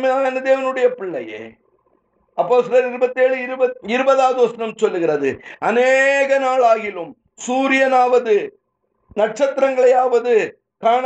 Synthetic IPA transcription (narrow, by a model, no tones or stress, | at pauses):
mɐaɐnɯd̪eːʋɐnɯɽɐjɐpɪɭːɐjḛː | ɐpːoːst̪ɪlɐɾɪɾɯbɐt̪ːeːɭɯɪɾɯbɐɪɾɯbɐðaːðʋɐsɐnɐmt͡ʃɔlːɯɣɪrɐðɯɐneːɣɐnaːɭaːɣɪlɯm | suːɾɪjɐnaːʋɐðɯ | nɐʈ̚t͡ʃɐt̪ːɪɾɐŋɡɐɭɐjaːʋɐðɯ | kaːɳ